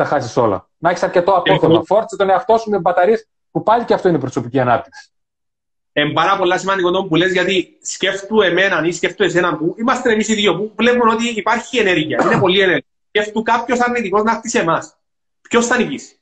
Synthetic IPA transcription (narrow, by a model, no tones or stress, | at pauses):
t̪ɐxɐsisolɐ̰ | nɐçisɐɾcet̪oɐpotomɐfoɾt͡sit̪oneɐft̪o̞sumembɐt̪ɐɾis | pupɐʎiceɐft̪oinepɾosopiciɐnɐp̚t̪i̥ksi̥ | e̞mbɐɾɐpo̞lːɐsimɐnikond̪o̞mbulezʝɐt̪isce̞ft̪ue̞me̞nɐnisce̞ft̪ue̞s̬e̞nɐmpuimɐst̪ene̞misiðʝopuvle̞pumeno̞t̪iːpɐɾçie̞ne̞ɾʝiɐine̞po̞lie̞neɾiɐsce̞ft̪ukɐpço̞sɐɾnit̪iko̞znɐft̪isemɐs | pço̞st̪ɐnicisi̥